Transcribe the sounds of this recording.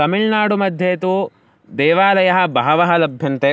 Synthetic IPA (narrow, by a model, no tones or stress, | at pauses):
ɐmiɭnaːɽumɐd̪ʱjeːt̪u | d̪ɛːʋaːlɐjɐɦɐbɐːɐʋɐɦɐlɐbʱjɐnt̪e